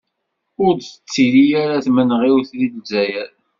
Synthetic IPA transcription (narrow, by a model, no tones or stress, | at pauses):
ʊɾθə̥t͡sːiɾijaɾaθmənʁiwθɾilzæjəɾ